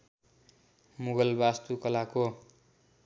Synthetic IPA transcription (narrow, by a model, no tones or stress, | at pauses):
muɡʌlbast̪ukʌlako